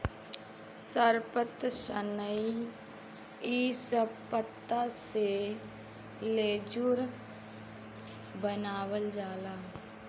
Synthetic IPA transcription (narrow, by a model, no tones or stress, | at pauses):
səɾpət̪ʃənəi | isəpət̪ːase | leːd͡ʒuɾ | bənaːwəld͡ʒaːlaː